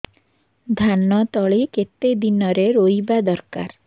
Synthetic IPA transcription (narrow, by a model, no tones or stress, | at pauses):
d̪ʱanɔt̪ɔɭiket̪ed̪inɔɾeɾojbad̪ɔɾka̰ɾ